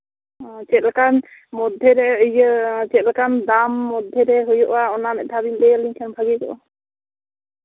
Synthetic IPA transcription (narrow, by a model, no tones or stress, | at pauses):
ɔ̃t͡ʃɛt̪̚lakanmɔd̪ʱjeɾɛəjt͡ʃɛt̪̚lakand̪amːɔd̪ʱjeɾɛɦujɔʔwaɔnamɛʔ̚d̪ʰʱabimd̪ɛliŋkʰanbʱaɡikɔ̰ʔa